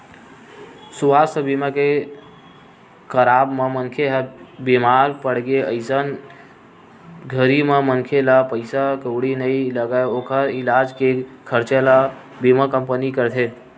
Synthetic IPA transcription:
suʋasəbiməke | kəɾabmemənkʰeɦbimaɾpəɽ̤ɡeəɪsən | ɡʱəɾimemənkʰelapəɪsakəwɽinəjləɡaokəɾilad͡ʒkekʰəɾt͡ʃela | biməkəmpənikəɾt̪ʰe

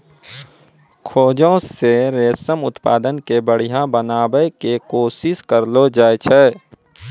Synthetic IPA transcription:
kʰoːd͡ʒõseɾeːsəmʊt̪paːd̪ənkebəɽ̤ijãbənaːbəekekoːsɪskəɾlod͡ʒaːet͡ʃʰɛ

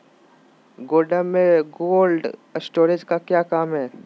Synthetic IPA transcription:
ɡoːlɖəmːẽɡoːlɖsʈoːɾed͡ʒkakjaːkaːmɦɛː

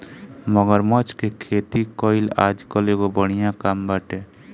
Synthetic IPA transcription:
məɡəɾmət͡ʃkekʰet̪ikɔɪla̰d͡ʒkəleɡobəɽ̃ijãkambaʈe

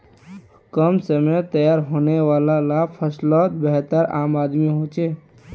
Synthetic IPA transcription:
kəmsəmet̪əjaːɾɦoːneʋaːlalapʰəslɔːt̪̚bəɦt̪əɾa̰ːmaːd̪miɦot͡ʃeː

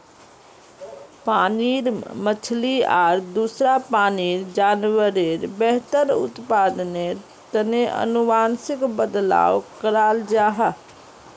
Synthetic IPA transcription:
paːniɾmət͡ʃʰlia̰ːɾd̪usɾapaːniɾd͡ʒaːnwəɾeɾbɛɦt̪əɾʊ̰t̪paːd̪ne | t̪əneʔə̰nuʋaːnsɪkbəd̪la̰ːwkəɾaːld͡ʒaːɦə

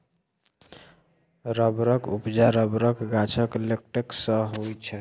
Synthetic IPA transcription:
ɾəbɾəkupd͡ʒaɾəbɾəkɡat͡ʃʰəkelek̚ʈeksəɦojt͡ʃʰɛ

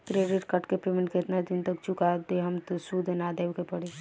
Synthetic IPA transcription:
kɾeɖɪʈkəʈkepemẽɳʈkeɪt̪nad̪ɪnt̪ək̚t͡ʃukad̪eɦəmt̪osud̪ʱnad̪eːwkepəɽe

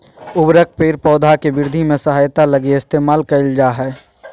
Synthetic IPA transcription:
ʊbɾək̚peːɾpɔːd̪ʱakebɪɾd̪ʱimẽsəɦaːjt̪aləɡeeɪst̪eːmaːlkəɪld͡ʒaːɦɛː

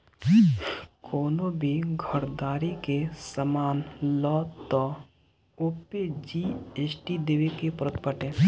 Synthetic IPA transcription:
kʰɔːnõbʱiɡʱəɾd̪aːɾikesəmaːnlɔːtt̪ːɔ | oːped͡ʒieːsʈid̪eʋekepɾət̪pəʈẽː

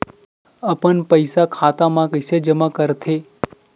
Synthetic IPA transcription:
əpəɳpəjsakʰat̪amãkəsed͡ʒəmãkəɾt̪ʰe

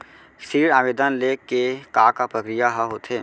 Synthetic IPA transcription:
siːɾaːʋeːd̪ənleːkekaːkapɾəkɾɪjaɦaɦot̪eː

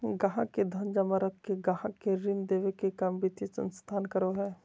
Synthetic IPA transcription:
ɡɐɦãked̪ʱɐnd͡ʒɐmaɾəkkeɡɐɦãkeɾɪnd̪eːʋekekɐmbit̪isə̰̃nst̪ʰaːnkəɾoɦɛː

